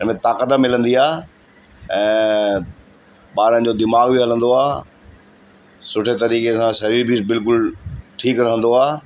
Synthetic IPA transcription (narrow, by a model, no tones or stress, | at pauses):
ɪnmẽt̪aːkəd̪amɪlə̃nd̪iaː | ɛ̃ː | ɓaːɾənɪ̆d͡ʑoːd̪ɪmaːɡbiɦɐlə̃nd̪oaː | sʊʈʰet̪ɐɾiːkesãʃɐɾiːɾbʱibɪlkʊlʈʰiːkɾɐɦə̃nd̪oaː